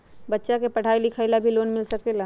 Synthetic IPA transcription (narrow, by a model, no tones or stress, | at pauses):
bɐtːʃakepɐɽ̤ʱaːilɪkʰaɪlabʱiloːnmɪlsɐkela